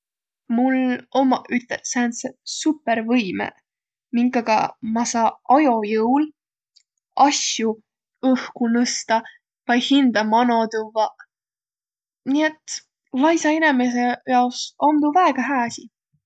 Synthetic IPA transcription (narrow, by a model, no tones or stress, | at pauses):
mulomɑʔyt̪ːˑesænsesupːeɾvɤjmḛ | miŋkːˑɑɡ̥ɑ̰mɑsɑːɑjo̞jɤwl | ɑsju | ɤhkunɤst̪ɑ | vɑjhind̪̥ɑmɑnot̪uvɑ | nie̞t̪ˑ | lɑjsɑinemes̬ejɑwsomd̪uvæeɡ̥ɑɦæːsʲi